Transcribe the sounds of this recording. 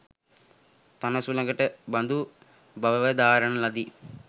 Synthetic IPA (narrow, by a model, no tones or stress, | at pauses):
t̪ɐnɐsulɐŋɡɐʈebɐnd̪u | bɐʋɐʋɐd̪aːɾɐɳɐlɐd̪i